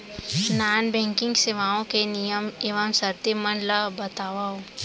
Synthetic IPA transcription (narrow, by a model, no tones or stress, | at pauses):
naːnbɛ̃ːŋkɪ̃ŋɡseʋaːõkenijəmeːʋəmsɐɾt̪imənlabɐt̪aːʋao